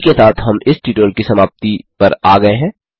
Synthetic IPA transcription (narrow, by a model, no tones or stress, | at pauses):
kesaːt̪ʰɦɐmɪsʈiːʈoːlkisɐmaːp̚t̪ipɐɾaːɡɐeɦɛ̃ː